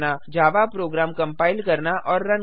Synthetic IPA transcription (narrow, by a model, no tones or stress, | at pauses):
nad͡ʒaːʋapɾoːɡɾaːmkɐ̃mpaːɪlkɐɾnaʔʔɔːɾːɐ̃n